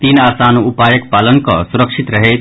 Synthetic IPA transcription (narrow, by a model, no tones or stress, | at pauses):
t̪iːnaːsaːnuupaːjək̚paːlənkɔ̰suɾəkʃit̪ɾɐɦe